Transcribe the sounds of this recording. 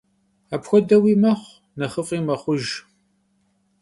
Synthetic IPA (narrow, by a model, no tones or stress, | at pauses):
apxʷɔdɐwiːmɐχʷ | nɐχəfʼiːmɐχʷʊʒ